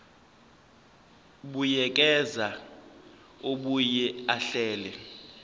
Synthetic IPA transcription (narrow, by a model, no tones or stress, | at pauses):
ɓujɛk̬ʼɛza | oɓujɛaɬɛːlɛ